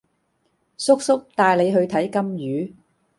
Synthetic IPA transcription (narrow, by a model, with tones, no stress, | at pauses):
sʊ˥k̚sʊ˥k̚t̪aː˧jle˨˧jɦɵ˧ɥt̪ʰɐ˨˥jkɐ˥mjyː˨˥